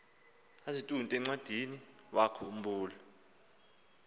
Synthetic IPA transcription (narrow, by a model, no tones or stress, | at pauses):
azitʼuntʼɛŋ͡ǀwad̥ʱiniwakʰɔum̩buːlɔ